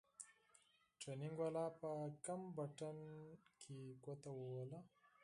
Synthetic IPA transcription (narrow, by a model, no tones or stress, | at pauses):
ʈɾanɪŋɡwalɑpəkambaʈankʰeɡwat̪awəwala